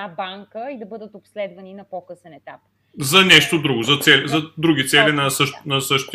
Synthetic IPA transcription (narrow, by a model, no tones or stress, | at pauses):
abaŋkəid̪ɐbɤd̪ət̪opslɛd̪vɐninɐpɔkɤsɛnɛt̪ap̚ | zɐnʲɛʃt̪od̪ɾuɡozɐt̪sɛlizɐd̪ɾuɡʲit̪sɛlinɐsɤʃt̪nɐsɤʃt̪